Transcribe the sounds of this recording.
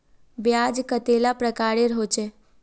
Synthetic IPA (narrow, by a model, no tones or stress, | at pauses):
bjad͡ʒkət̪elapɾəkaːɾeɾɦot͡ʃe